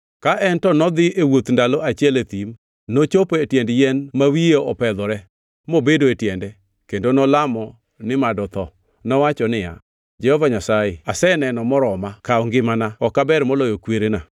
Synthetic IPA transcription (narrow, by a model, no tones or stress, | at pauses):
kaʔɛntɔnɔd̪ɪewot̪ndaloat͡ʃiɛlet̪im | not͡ʃopoetjɛndjɛnmawijoʔɔpɛd̪ɔɾɛ | mobedoetjɛndɛ | kendonɔlamɔ | nɪmadɔt̪ɔ | nɔwat͡ʃɔnɪja̰ | d͡ʒɛhɔvaɲasaeasɛnɛnɔmɔɾɔmakaɔŋɡɪmanaɔkabɛɾmolojokweɾena